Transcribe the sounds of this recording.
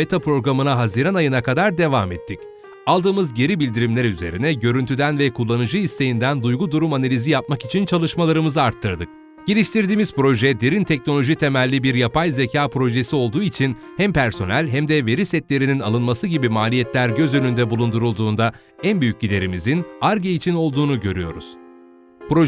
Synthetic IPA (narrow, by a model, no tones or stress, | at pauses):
et̪ʰapɾo̞ɡɾamɯnaɦaziːɾanajɯnakʰad̪aɾd̪e̞va̰ːmɛt̪ʰːic | alˠd̪ɯːmɯzɟe̞ɾibilʲd̪iɾimlʲæɾyze̞̰ɾḭnɛɟø̞ɾynt̪ʰyd̪ænvɛkʰulˠːanɯd͡ʒɯist̪e̞jind̪ænd̪ujɡud̪uɾumanalʲizijap̚makit͡ʃʰint͡ʃʰalˠɯʃmalˠaɾɯmɯzɯaɾt̪ʰːɯɾd̪ɯk̚ | ɟ̥elʲiʃt̪ʰiɾd̪iːmiz̥pɾo̞ʒɛd̪e̞ɾint̪ʰɛcno̞lʲo̞ʒit̪ʰe̞mælʲːibiɾjapʰajzecʰaːpɾo̞ʒe̞sio̞lˠd̪uːit͡ʃʰin | hæmpʰæɾso̞nælʲɦæmd̪ɛve̞ɾisɛt̪lʲe̞ɾininalˠɯnmasɯɟibimaːlʲijɛt̪lʲæɾɟø̞zø̞nynd̪ɛbulˠund̪uɾulˠd̪uːnd̪a | ænbyjyc̚ɟid̪e̞ɾimizinaɾɟeit͡ʃʰino̞lˠd̪uːnuɟø̞̰ɾyjo̞̰ɾṵz̥ | pɾo